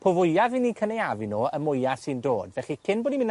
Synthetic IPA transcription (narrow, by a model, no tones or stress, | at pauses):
pʰovʊjavinikʰənejavinoːəmʊjasindo̰ːdvɛχikʰɪnboːdimɪn